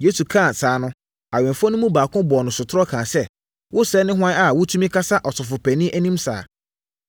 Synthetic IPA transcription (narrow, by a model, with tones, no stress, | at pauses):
je˦su˨kʰã˦˨sʰaː˨˦nʊ̃˦ | a˨ɥɛ̃˨mfɔ˦nʊ̃˦mũ˦baː˨kʊ̃˦bɔ˨nʊ̃˨sʊ˨tʰɾɔ˦kʰãː˨sɛ˦ | wʊ˦sɛ˦nɪ̃˦ɦʊ˦ã˦a˨wʊ˦tʰu˦mĩ˦kʰa˦sa˦ʔɔ˨tʊ˨fʊ˨pʰɛ˨nĩ˦ʔæ˦nĩ˦msa̰ː˨